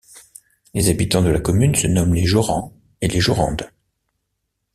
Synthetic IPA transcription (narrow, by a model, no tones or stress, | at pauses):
lezabit̪ɑ̃d̪əlakɔmynsənɔmleʒɔʁɑ̃ | eleʒɔʁɑ̰̃d̪